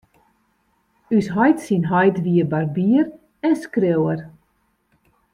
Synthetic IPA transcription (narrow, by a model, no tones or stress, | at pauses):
ysɦɔjtsinɦɔjtʋiəbarbiər | ɛnskrøwər